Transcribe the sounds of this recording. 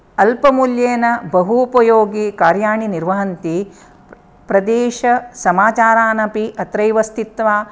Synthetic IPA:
ɐlpɐmuljeːnɐbɐɦuːpɐjoːɡikaːɾjaːɳiniɾʋɐɦɐnt̪i | pɾɐd̪eːʃɐsɐmaːt͡ʃaːɾaːnɐpiʔɐt̪ɾɐjʋɐst̪ʰit̪ʋaː

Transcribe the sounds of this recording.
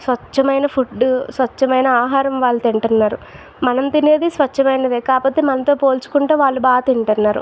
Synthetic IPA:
sʋɐt͡ʃːɐmɐjnɐpʰuɖːusʋɐt͡ʃːɐmɐjnɐaːɦaːɾɐmʋaːɭːɐt̪iɳʈɐnːaːɾu | mɐnɐmt̪ineːd̪isʋɐt͡ʃːɐmɐjnɐd̪ekaːpɐt̪ːemɐnɐt̪o̞ːpo̞ːlt͡ʃu̥kuɳʈuːʋaːɭːubaːt̪iɳʈɐnːaːɾṵ

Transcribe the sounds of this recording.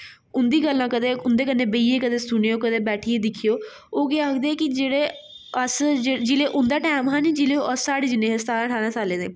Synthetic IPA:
ʊnd̪iːɡəlːãːkəd̪eːʊnd̪eːkənːẽːbəiːeːkəd̪eːsʊnejoːkəd̪eːbɛːʈʰiːeːd̪ɪkʰijoː | oːɡeakd̪eːkɪd͡ʒeːɽeː | əsd͡ʒed͡ʒɪleːʔʊnd̪aːʈɛːmɦãːnid͡ʒɪleːoːʔəsːaːɽeːd͡ʒɪneːst̪aːɾãːʈʰaːnãːsaːleːnḛː

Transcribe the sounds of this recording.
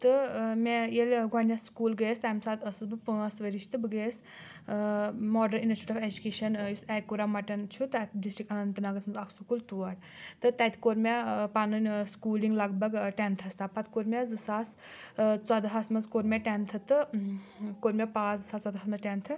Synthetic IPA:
t̪ɨmejelʲɡɐnjaskuːlɡəjst̪amsaːt̪ʰɐsɨzbɨpɨ̃ɐsʋəɾiʃt̪ɨbɨɡejs | mɔːɖɐɾinɐsʈiʈɔʋed͡ʒukʲeːʃɐnjusɛkːuɾamɐʈɐnt͡ʃʰut̪at̪ɖisʈɾikɐnɐnt̪ɨnaːɡɐnsmɐnzɐksukult̪uʋɐɽ | t̪ɨt̪ɐt̪koɾmʲepanɨnʲskuːliŋɡlɐɡbɐɡʈɛnt̪ʰɐst̪ʰapɐt̪ʰkoɾmʲazɨsaːs | t͡sɐd̪ɦɐsmɐzkoɾmʲeʈɛnt̪ʰɨt̪ɨ | koɾmʲepaːzɨsaːst͡sɐd̪ɦɐsmɐzʈʲɛnt̪ʰɨ

